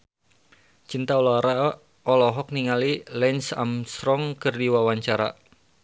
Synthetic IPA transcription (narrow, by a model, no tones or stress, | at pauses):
t͡ʃint̪aolɾa | ɔlɔɦɔk̚niŋalilɛnsa̰mst̪ɾɔŋkɨrdiwawaɲt͡ʃaɾa̰